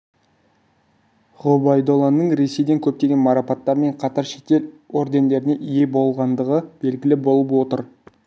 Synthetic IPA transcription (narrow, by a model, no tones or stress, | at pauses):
ʁobɑjd̪o̞lˠanːəɴɾe̞se̞jd̪e̞ŋkʲʰɵp̚t̪eɡʲe̞nmɑɾɑpɑt̪ːɑɾme̞ɴqʰɑt̪ɑɾʃe̞t̪e̞lo̞ɾd̪e̞nd̪e̞ɾɪne̞ʔije̞bo̞lˠʁɑnd̪əʁəb̥e̞lɡʲɪlɪbo̞lˠəpwo̞t̪əɾ